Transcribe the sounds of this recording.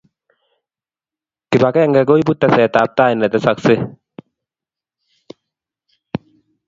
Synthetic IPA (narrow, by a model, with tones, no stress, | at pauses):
kɪ˨ba˨ka˦ɛ˦ŋɡa˨ɡo˦i˦pu˦t̪ːa˨sɛː˨t̪aː˨p̚t̪aː˦i˨nːɛ˨t̪ɛ˦sɐ˨ksɪ˦